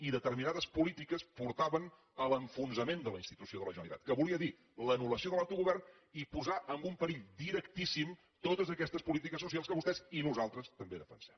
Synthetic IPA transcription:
iðət̪əɾminaðəspulit̪ikəspuɾt̪aβən | ələɱfunzəmend̪ələinst̪it̪usioðələʒənəlḭt̪a̰t̪̚kəβuliəði | lənuləsioðəlawt̪uɣuβɛrn | ipuzaʔəmbumpəɾiʎd̪iɾəkt̪isim | t̪ot̪əzəkɛst̪əspulit̪ikəsːusialˠskəβust̪ɛzinuzalˠt̪ɾəst̪əmbeðəfənsɛm

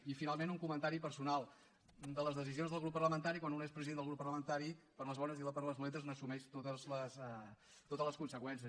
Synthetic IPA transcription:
ifinalˠmenuŋkumənt̪aɾipəɾsunalˠ | d̪ələzðəsizionzðəlˠɣɾupːərləmənt̪aɾikwanunespɾəziðend̪lˠɣɾupːəɾləmənt̪aɾipəɾləzβɔnəziləpəɾləzβulɛt̪əznəsumɛʃt̪ot̪əzləsɛ | t̪ot̪ələskunsəkwɛns̬iə

